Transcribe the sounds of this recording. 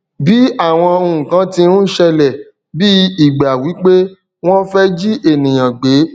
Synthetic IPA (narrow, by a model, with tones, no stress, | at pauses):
bi˨˦a˦˨w̃ɔ̃˧o˧ũ˨kã˦ti˧nũ˦ʃɛ˧lɛ˨ | bi˦i˨ɡ͡ba˨wi˨˦k͡pe˦ | w̃ɔ̃˦fɛ˦d͡ʒi˦ʔe˦˨nĩ˨j̃ã˨ɡ͡be˨˦